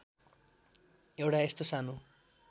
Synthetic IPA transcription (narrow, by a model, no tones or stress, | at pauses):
ewʈaest̪osano